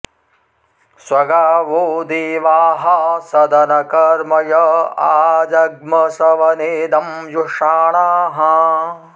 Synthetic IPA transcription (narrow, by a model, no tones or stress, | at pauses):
swɐɡaːʋuːd̪iʋaːɦɐsɐd̪ɐnɐkɐɾmɐjɐaːd͡ʒɐɡ̚mɐsɐʋɐneːd̪ɐmjuʂaːɳaːɦɐ